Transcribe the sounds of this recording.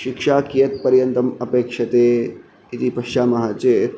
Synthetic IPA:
ʃikʃaːkijɐt̪̚pɐɾjɐnt̪ɐmɐpeːkʂɐt̪eː | it̪ipɐʃt͡ʃaːmɐɦaːt͡ʃeː

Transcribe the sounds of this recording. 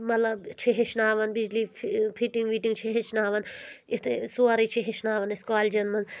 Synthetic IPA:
mɐt̪lɐbt͡ʃʰeɦeʃnaːʋɐnbid͡ʒlipʰiʈiŋɡmiʈiŋɡt͡ʃʰeɦeʃnaːʋɐnit̪ʰesuaɾit͡ʃʰeɦeʃnaːʋɐneskaːlʲd͡ʒɐnmɐn

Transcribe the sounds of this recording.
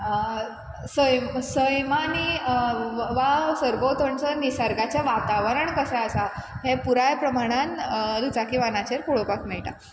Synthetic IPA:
səjmsəjmani | ʋasəɾbot̪əɳt͡sənisaɾɡat͡ɕjaʋat̪aʋəɾəɳkəsɛəsaɦepuɾajpɾəmaɽ̃and̪ut͡sakiʋanat͡ɕeɾkoɭopakmiɭʈ̪a̰

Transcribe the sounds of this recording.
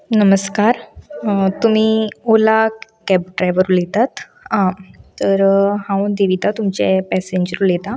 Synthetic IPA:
nəməskaɾ | t̪um̤iːolakɛp̚ɖɾajʋəɾulet̪at̪ | ãt̪əɾhãwd̪iʋit̪at̪umt͡ɕɛ̰pɛseɲd͡ʑəɾulet̪a

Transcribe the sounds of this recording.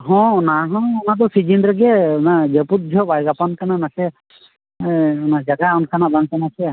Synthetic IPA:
ɦɔ̃naɦɔ̃ɔnat̪̬ɔsid͡ʒinɖɾɛɡenad͡ʒeput̪̚d͡ʒʱɔbajɡapɔnkananasɛ | nad͡ʒaɡaunkʰanabaŋkanasɛ

